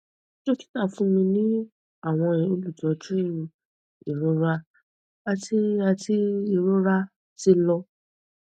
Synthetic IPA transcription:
ʃo˦ki˦na˦˨fũ˦mĩ˧nĩ˦ | a˦˨w̃ɔ̃˧ĩ˧o˧lu˦˨tɔ˧˦d͡ʒũ˦ | i˨ɾõ˨˦ɾa˧ | a˧ti˧˦a˧ti˧i˧˨ɾo˦ɾa˦ | ti˧lɔ˧

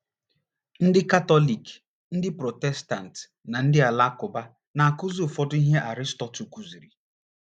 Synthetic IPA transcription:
n̩˦dɪ˦ka˦tɔ˦li˨k | n̩˦dɪ˦pɾo˨tɛ˦sta˨n̩˨t | na˨n̩˦dɪ˦a˨la˦kʊ˨ba˦ | na˨a˨kʊ˦zu˦˨fɔ˦dʊ˦i˦ɦe˦ʔa˨ɾɪ˦stɔ˨tu˨ku˨zi˨ɾi˨

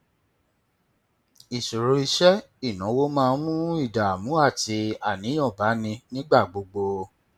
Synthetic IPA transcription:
i˨su˨ɾu˨˦i˧ʃɛ˦ | i˦˨nã˨˦wo˦mãː˦˧˦mũ˦i˦˨da˨mũ˨˦a˦˨ti˧a˨nĩ˨˦j̃ɔ̃˦˨ba˨˦nĩ˧nĩ˦ɡ͡ba˦˨ɡ͡bo˧ɡ͡bo˧

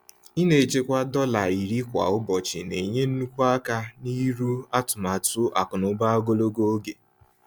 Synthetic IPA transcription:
i˦ne˨t͡ʃe˦kʷa˦dɔ˦la˨i˨ɾi˦kʷa̰˨ʊ˦bɔ˨t͡ʃɪ˨ne˨ɲe˦n̩˦nu˦kʷu˦a˦ka˦ni˦ɾu˦a˦tʊ˨ma˨tʊ˦ʔa̰˨kʊ˨nʊ˦ba˦o˦ɡo˦lo˦ɡo˦o˦ɡe˨

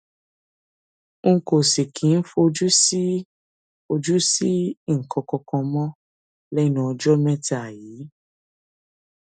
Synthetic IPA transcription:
ŋ̩˦˧ko˨si˨kʰĩ˨˦n̩˦fo˧o˧d͡ʒu˦si˦ | o˧d͡ʒu˦si˦˨ŋ̩˨kʰɔ̃˧kɔ̃˧kɔ̃˧mɔ̃˦ | lɛ˦nã˧ɔ˧d͡ʒɔ˦mɛ̃˦ta˨jiː˨˦

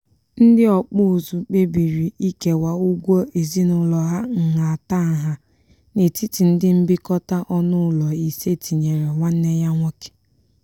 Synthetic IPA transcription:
n̩˦dɪ˦ɔ˨k͡pʊ˦˨zu˨k͡pe˦bi˨ɾi˨ʔi˦ke˨wa˨u˦ɡʷo˦e˨zi˦nʊ˨lɔ˨ɦa˦ŋ̩˨ɦa˨a˨ta˦˨ɦa˨ | ne˨ti˦ti˨n̩˦dɪ˦m̩˦bɪ˦kɔ˦ta˦ʔɔ˦nʊ˦lɔ˨i˨se˦˨tʰi˨ɲe˨ɾe˨ŋʷa˦n̩˦ne˦ja˦ŋʷɔ˦ke̥˨

